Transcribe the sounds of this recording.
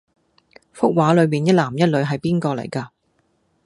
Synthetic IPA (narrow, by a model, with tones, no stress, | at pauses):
fʊ˥k̚waː˨˥lɵ˨˧ɥmiː˨˩njɐ˥laː˨˩mjɐ˥t̚lɵ˨˧ɥɦɐ˨jpiː˥nkɔː˧lɐ̰˨˩jkaː˧